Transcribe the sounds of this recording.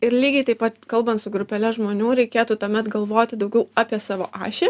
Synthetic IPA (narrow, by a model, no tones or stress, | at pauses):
ɪɾlʲiːɡʲɛɪt̪ɐɪpɐt̪kɐlˠbɐnt̪sʊɡɾʊpʲɛlʲɛʒmoːnʲuːɾʲɛɪkʲeːt̪uːt̪uɔmʲɛt̪ɡɐlˠʋoːt̪ʲɪd̪ɐʊɡʲɛʊɑːpʲiɛsɑːʋo̰ːʔɑ̰ːʃʲɪ